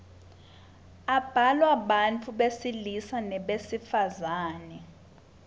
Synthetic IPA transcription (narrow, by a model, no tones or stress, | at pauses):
ab̥ʱalwaɓant͡fʰuɓesilisanɛɓesifazaːnɛ